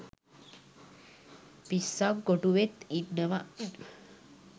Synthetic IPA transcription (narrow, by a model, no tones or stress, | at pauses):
pisːaɡoʈuʋet̪iʈnəʋa